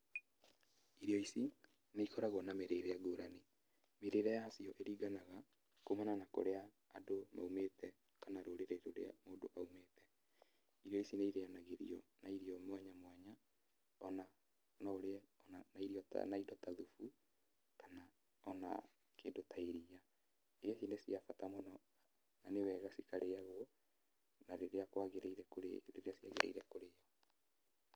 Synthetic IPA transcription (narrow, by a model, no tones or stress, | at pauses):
iɾjɔisi | neikɔɾaɣwɔnameɾeɾɛaɡoːɾane | meɾeɾɛjasiɔʔeɾiːɡanaɣa | komananako̰ɾeaː | doma̰umetɛ | kanaɾoɾeɾeɾoɾḛa̰moːdo̰ʔaumeːtɛ | iɾiɔisineiɾeanaɣeɾḭɔnaiɾiɔmwaɲamwaɲa | ɔna | nɔoɾeaɔnanaiɾiɔtnaidɔtaðufu | kana | ɔna̰ | keːdotaeɾia | esinesiafatamonɔ | nanewɛɣasikaɾeaɣwɔ | naɾeɾeakwaɣeɾeiɾɛkoɾḛɾeɾeasiaɣeɾʔa̰iɾɛkoɾejɔ